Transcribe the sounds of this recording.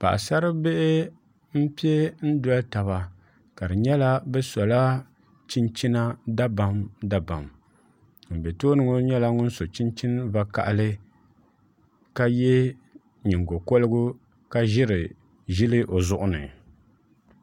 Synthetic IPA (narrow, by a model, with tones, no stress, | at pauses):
pa̰˨ʔa̰˨sa˦ɾɨ˦be˦ʔɪ˦ | m̩˦pi˦e˦n̩˦da˦lta˨βa˨ | ka˨dɨ˨ɲɛ˦la˦bɛ˦sɔ˨la˦ | t͡ʃi˦nt͡ʃi˦na˦da˦ba˨mda˨ba˨m | m̩˨bɛ˨toː˦nɨ˨ŋo˦ɲɛ˦la˦ŋʊ˦n˦so˨t͡ʃi˦nt͡ʃi˦n˦va˦ka̰˨ʔlɨ˦ | ka˦jɛ˦ | ɲi˨ŋɡo˨ko˦lɨ˦ɡʊ˦ | ka˦ʒɪ˦ɾɨ˨ | ʒɪ˦lɨ˦ʔo˨zʊ˦ʔʊ˦nɨ̰˨